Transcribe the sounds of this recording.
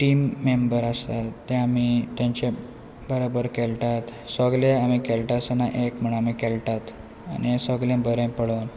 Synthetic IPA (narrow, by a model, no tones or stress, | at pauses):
ʈimːembəɾast̪at̪ːẽamit̪jãɲt͡ɕe | bəɾobəɾkelʈat̪səɡleamikelʈasənaʔekm̤əɳ̃amikelʈat̪ | añisəɡlẽbəɾẽpəɭən